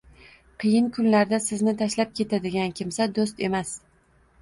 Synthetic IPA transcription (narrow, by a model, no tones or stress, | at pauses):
qʰɨjɪnkʰʊnlaɾd̪asɪznɪt̪ʰaʃlap̚kʲʰe̞t̪ʰad̪ɪɡʲankʲɪmsad̪os̬t̪e̞mas